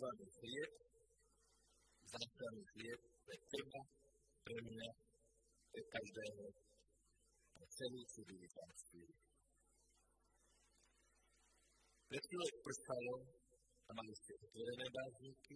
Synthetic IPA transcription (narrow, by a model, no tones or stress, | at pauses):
ʋanihɾiɛt̪ | zaːklaniɦɾjɛt̪̚pɾɛt̪r̩ba | pɾɛmia | pɾɛkaʒd̪ɛːɦɔ | nat͡sɛliːsuɾilip̪anspiːɾi | pɾɛsilɔpr̩kalɔ | amaliscɛʔɔt̪ʋɔɾɛnɛːbaːzɲiːki